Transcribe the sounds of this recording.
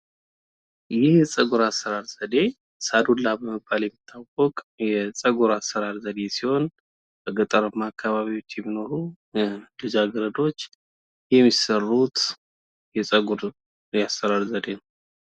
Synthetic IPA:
jɪhsʼəɡuɾasːəɾaɾz̥əd̪e̞ | sad̪ulːabəməbːaljɛmːit̪ʰːawɔkʼjɛsʼəɡuɾasːəɾaɾzəd̪e̞siho̞n | b̥əɡət̪ʼəɾəmːaːkʰːaβaβiwo̞t͡ʃːjɛmːino̞ɾu | d̪ɨzaɡəɾəd̪o̞t͡ʃː | jɛmːisərːut̪ | jɛsʼəɡuɾ | jasəɾaɾzəd̪e̞nəw

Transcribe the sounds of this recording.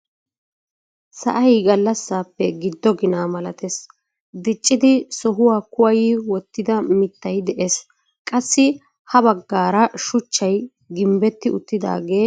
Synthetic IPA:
sɐ̰ʔɐjɡɐlːɐsːaːpːɛɡɪd̪ːɔɡɪnaːmɐlɐt̪es | d̪ɪt͡ʃʼːɪd̪ɪsɔɦʊwaːkʊwɐjɪwɔt̪ːɪd̪ɐmɪt̪ːɐjd̪ɛʔes | kʼɐsːɪ | hɐbɐɡːaːɾɐʃʊt͡ʃːɐj | ɡɪmbɛt̪ːɪʊt̪ːɪd̪a̰ːɡe̞ː

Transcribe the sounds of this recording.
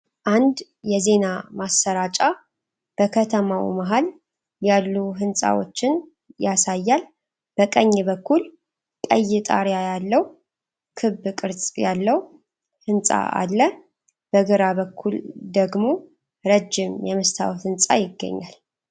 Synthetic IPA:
ʔand̪ | jɛze̞namasːəɾat͡ʃʼa | b̥əkʰət̪ʰəmawḭmaɦal | jalːuɦɨnsʼa̰wo̰t͡ʃːɪn | jasajːal | b̥əkʼəɲːbəkːul | kʼə̰jːɪt̪ʼa̰ɾjajalːəw | kʰɨbːkʼɨɾt͡sʼjalːəw | hɨnsʼa̰a̰lːə | b̥əɡɨɾabəkʰːuld̪əɡmo̞ | ɾəd͡ʒːɪmjɛmɨst̪ʰa̰wfɨnsʼa̰jɪɡːə̰ɲːa̰l

